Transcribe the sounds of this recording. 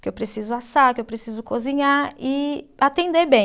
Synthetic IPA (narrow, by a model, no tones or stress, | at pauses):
kɪewpɾesizʊasakɪewpɾesizʊkozĩɲaɪat̪ẽnd̪eɾbẽ